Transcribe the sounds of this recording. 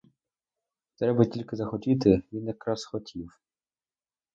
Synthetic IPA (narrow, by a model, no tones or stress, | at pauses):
t̪ɾɛbɐtʲilʲkɪzɐxɔtʲit̪ɪʋʲinjɐkɾɑsxɔtʲʰiw